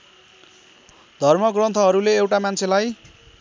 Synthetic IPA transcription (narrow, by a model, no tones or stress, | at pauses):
d̪ʱʌrmʌɡrʌnt̪ʰʌɦʌɾuleːwʈamant͡sʰelaj